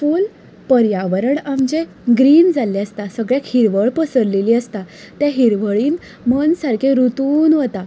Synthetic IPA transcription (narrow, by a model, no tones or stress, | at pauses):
fuːl | pəɾjaʋəɾəɽamd͡ʑẽ | ɡɾiːnd͡zalːeəst̪asəɡɭjakhiɾʋəɭpəsəɾleliːəst̪a | t̪jãɦiɾʋəɭiːn | mənsaɾkʰeɾut̪uːnɦot̪a